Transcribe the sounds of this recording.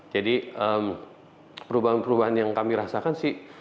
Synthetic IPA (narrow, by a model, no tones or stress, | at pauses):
d͡ʒadiəm | pəɾubaɦanpəɾubaɦanjaŋkamiɾasakansɪh